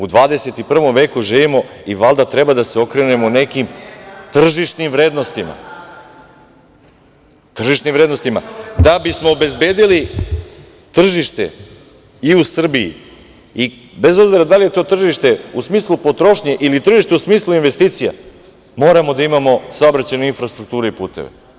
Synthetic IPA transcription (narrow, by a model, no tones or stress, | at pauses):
ud̪ʋaːd̪ese̞t̪ipr̩ʋo̞mʋe̞ːkuʒiːʋimo̞iʋalˠd̪at̪ɾe̞bad̪aseo̞kɾene̞mone̞kimt̪r̩ʒiʃnimvɾe̞ːd̪no̞st̪ima̰ | t̪r̩ʒiʃnimvɾeːd̪no̞st̪imad̪abismo̞ːbe̞zbe̞ːd̪ili | t̪r̩ʒiʃt̪e̞̰ | iusr̩biḭ | i | be̞zo̞bziɾad̪alije̞t̪o̞ːt̪r̩ʒiʃt̪e̞usmiːslˠupo̞t̪ɾo̞ʃɲeʔilit̪r̩ʒiʃt̪eusmiːslˠuinʋe̞st̪iːt̪sija̰ | mo̞ːɾamo̞d̪aimamo̞saobɾat͡ɕajneinfɾast̪ɾuk̚t̪uːɾeipṵːt̪ḛʋḛ